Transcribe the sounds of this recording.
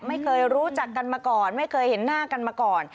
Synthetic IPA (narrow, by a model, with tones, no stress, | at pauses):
ma˥˩jkʰɤː˧jɾuː˦˥t͡ɕa˨˩kːa˧nmaː˧kɔː˨˩nma˥˩jkʰɤː˧jhe˩˦nːaː˥˩ka˧nmaː˧kɔː˨˩n